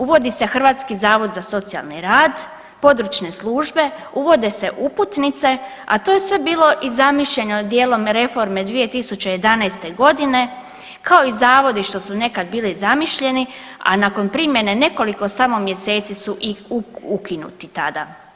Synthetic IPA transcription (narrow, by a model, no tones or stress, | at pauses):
uʋo̞d̪ise̞xr̩ʋaːt̪skizaːʋo̞d̪zaso̞t̪sija̰lniɾaːd̪ | po̞d̪ɾut͡ʃne̞slˠuːʒbe̞ | uʋo̞d̪ese̞ʔuput̪nit̪se̞ | a̰t̪oːje̞sʋe̞biːlˠo̞ʔizamiʃʎe̞ɲod̪jeːlo̞mɾe̞fo̞ɾme̞d̪ʋije̞t̪isut͡ɕeje̞d̪anajst̪e̞ɡo̞d̪ine̞ | kʰao̞izaːʋo̞d̪iʃt̪o̞sune̞kad̪̚biːlizamiʃʎe̞nia̰nako̞npɾimje̞nene̞ko̞liko̞samo̞mje̞se̞ːt̪sisuʔiukinṵt̪it̪ad̪a